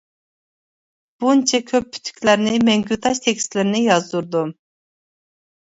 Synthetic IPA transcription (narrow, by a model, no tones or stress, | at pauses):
b̥unt͡ʃʰɛkʲʰøp̚ːʰy̥t̪ʰːy̥kʲʰlæɾnɪmɛŋɡʲyt̪ʰɑʃt̪ʰɛkʲst̪lɪɾnɪjɑzd̪uɾd̪um